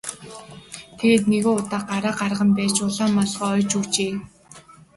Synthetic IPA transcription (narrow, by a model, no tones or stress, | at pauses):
t̪ʰeɣeːt̪neɣoːʊt̪aːɢaɾaːqarʁə̆mpæːt͡ɕʊɮaːmːaɮɢɔːœjt͡ɕut͡ɕeː